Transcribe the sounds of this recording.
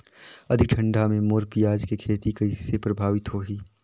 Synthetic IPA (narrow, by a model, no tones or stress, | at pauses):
ɐd̪ʱɪk̚ʈʰɐ̃ɳɖamẽmoːɾpijaːd͡ʒkekʰeːt̪ikɐisepɾɐbʱaːʋɪt̪ɦoːɦiː